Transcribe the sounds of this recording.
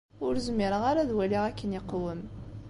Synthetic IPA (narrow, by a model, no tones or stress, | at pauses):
ʊɾzmːiɾəʁaɾaðwæliʁækːəniqːwəm